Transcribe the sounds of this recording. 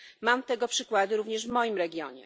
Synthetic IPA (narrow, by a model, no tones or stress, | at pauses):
mamt̪ɛɡɔpʂɘkwad̪ɘɾuvɲɛʐvmɔjimɾɛɡʲjɔ̰ɲɛ̰